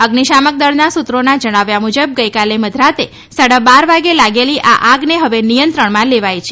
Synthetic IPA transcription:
əɡniʃamək̚d̪əɭnasut̪ɾonad͡ʒəɽ̃aʋjamud͡ʒəb̚ɡəjkaleməd̪ʱɾat̪e | saɽəbaɾʋaɡelaɡeliʔaʔaɡneɦəʋenijənt̪ɾəɳmãleʋajt͡ʃʰe

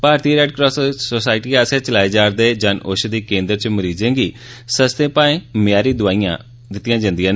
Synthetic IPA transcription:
paːɾt̪iːɾɛːʈkɾɔːssoːsaːɪʈiːaːsẽːt͡ʃəlaːeːd͡ʒaːɾd̪eːd͡ʒanoʃd̪iːkẽːnd̪əɾt͡ʃməɾiːd͡ʒẽːɡiː | səst̪ẽːpãːẽːmɪjaːɾiːd̪ʊaːijã̰ː | d̪ɪt̪ːɪjãːd͡ʒãːnd̪ijãːn

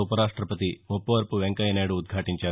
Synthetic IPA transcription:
upɐɾaːʂʈɾɐpɐt̪iopːɐʋɐɾpuʋeŋkɐjɐnaːɽuːd̪̚ɡʱaːʈiɲt͡ʃaː

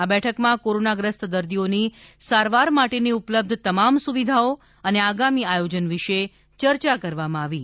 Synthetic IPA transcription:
abɛʈʰəkmãkoɾonaɡɾəst̪d̪əɾd̪ionisaɾʋaɾmaʈeniupləb̚d̪ʱt̪əmamsuʋid̪ʱao | əneaɡamiajod͡ʒənʋiʃe | t͡ʃəɾt͡ʃakəɾʋamãaʋi

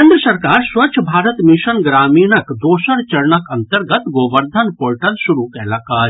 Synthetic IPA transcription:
ẽːnd̪ɾəsɐɾkaːɾsʋɐt͡ʃʰbʱaːɾət̪mɪʃənɡɾaːmiːnɐkd̪oːʃəɾt͡ʃɐɾɳɐkʰɐnt̪əɾɡət̪ɡoːʋəɾd̪ʱənpoːɾʈɐlʃʊɾukɛːlaːkaːɾ

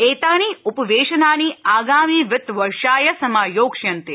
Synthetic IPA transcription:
eːt̪aːniːupɐʋeːʃɐnaːniaːɡaːmiːʋɪt̪ʋɐɾʃaːjɐsɐmaːjoːkʃjɐnt̪i

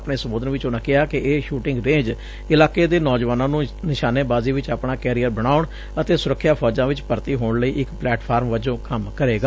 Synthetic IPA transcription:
pɳeːsəmuːd̪ənʋɪt͡ʃʊnãːkɪɦaːkɪʔeːʃuːʈɪ̃ŋɡɾẽːd͡ʒ | ɪlaːkeːd̪eːnɔːd͡ʒʋaːnãːnũːnɪʃaːneːbaːziːʋɪt͡ʃaːpɳaːkɛːɾiːəɾbəɽ̃aːʊɳ | ət̪eːsʊɾəkʰːjaːpʰɔːd͡ʒãːʋɪt͡ʃpəɾt̪iːɦoːɳləiːʔɪkplɛːʈpʰaːɾmʋəd͡ʒõːkəmkəɾeːɡaː

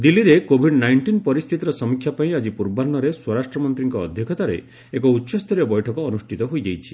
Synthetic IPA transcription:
d̪ilːiɾekobʱiɖnajɳʈinpɔɾist̪ʰit̪iɾɔsɔmikʰːjapaĩad͡ʒipuɾbaɾnɔɾeswɔɾasʈɾɔmɔnt̪ɾiŋkɔːd̪ʱjɔkʰɔt̪aɾḛ | ekɔutːʃɔst̪ʰɔɾjɔbɔjʈʰɔkɔːnusʈʰit̪ɔɦojd͡ʒejt͡ʃʰi̥

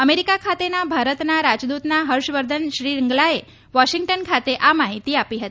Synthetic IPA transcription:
əmeɾikakʰat̪enabʱaɾət̪naɾad͡ʒd̪ut̪naɦəɾʂʋəɾd̪ʱənʃɾiːɾəŋɡlae | ʋɔʃiŋɡʈənkʰat̪eʔamaɦit̪iapiɦət̪i

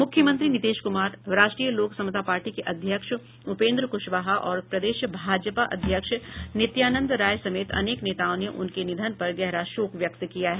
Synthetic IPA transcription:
mʊkʰjəmɐ̃nt̪ɾinɪt̪eːʃkʊmaːɾɾaːʃʈɾijəloːksɐmət̪apaːɾʈikeʔɐd̪ʱjəkʃ | ʊpẽːnd̪ɾəkʊʃʋaːɦaʔɔːɾpɾɐd̪eːʃbʱaːd͡ʒəpaʔɐ̰d̪ʱjəkʃnɪt̪jaːnə̃nd̪ɾaːjsɐmeːt̪ʰɐ̰neːkneːt̪aːõneʔʊ̰nkenɪd̪ʱənpɐɾɡɛɦɾaʃoːkʋjɐkt̪kijaɦɛː

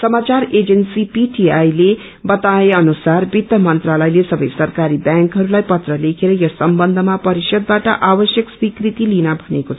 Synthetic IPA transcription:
sʌmat͡saɾed͡zensipiʈiajle | bʌt̪aeʌnusarbit̪ːʌmʌnt̪ralʌjlesʌbʌjsʌrkaɾibjãŋkɦʌɾulajpʌt̪rʌlekʰeɾʌjʌsʌmbʌnd̪ʱʌmapʌɾisʌd̪̚baʈʌʔabʌsjʌkswikrit̪ilinʌbʱʌnekot͡sʰʌ

